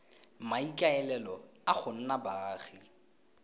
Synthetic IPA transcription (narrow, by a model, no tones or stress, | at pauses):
maikʼaɛlɛlɔaχʊn̩nabaːɣi